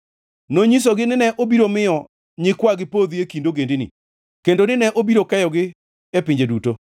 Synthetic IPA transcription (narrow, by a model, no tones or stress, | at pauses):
noɲis̬oɡɪnɪnɛʔobiɾomɪjɔ | ɲɪkwaɡɪpod̪iekindoɡendinḭ | kendonɪnɛʔobiɾokɛjɔɡɪ | ɛpɪɲd͡ʒeduto